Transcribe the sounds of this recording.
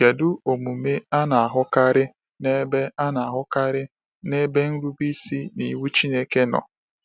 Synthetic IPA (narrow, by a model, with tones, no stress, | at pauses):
ke˨dʊ˦o˨mu˨me˦a˦na˨a˨ɦʊ˦ka˦ɾɪ˦ | ne˦be˦a˦na˨a˨ɦʊ˦ka˦ɾɪ˦ | ne˦be˦n̩˦ɾu˦bi˦si˦ni˨˦wu˦t͡ʃi˦ne˦ke˦nɔ̰˨